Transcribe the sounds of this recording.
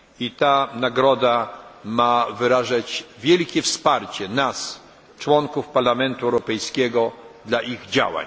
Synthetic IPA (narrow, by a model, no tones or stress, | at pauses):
it̪anaɡɾɔd̪amavɘɾaʐat͡ɕvʲjɛlkʲɛfspaɾt͡ɕɛnas | t͡ʂwɔŋkufpaɾlamɛnt̪uɛwɾɔpɛjskʲɛɡɔd̪laʔiɣd͡ʑa̰wa̰ɲ